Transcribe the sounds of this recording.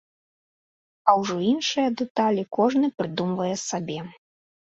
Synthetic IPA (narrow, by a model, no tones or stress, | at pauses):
ɐwʐɔinʂɨjɐd̪ɛt̪alʲikɔʐnɨpɾɨd̪umvɐjɛsabʲɛ